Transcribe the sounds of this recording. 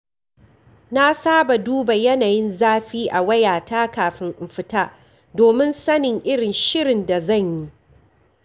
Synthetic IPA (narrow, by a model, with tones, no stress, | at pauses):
na˦saː˦ba˨duː˦ba˨jɐ˦naː˨jɪ˦nzaː˦ɸiː˦ʔa˨wɐ˦jaː˨taː˦kaː˨ɸɪ˦ŋʔɪ˨ɸɪ˦taː˦ | doː˨mɪ˦nsɐ˦nɪ˨ŋʔɪ˦ɽɪ˨nʃɪ˦ɽɪ˨nda˨zɐ˦˨ɲji˦